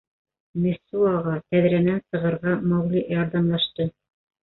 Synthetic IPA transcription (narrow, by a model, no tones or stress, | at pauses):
mʲĕsːuɑʁɑt̪æðɾænænsɤ̆ʁɤ̆ɾʁɑmɑwlʲiʔjɑɾðɑmlˠɑʃt̪ɤ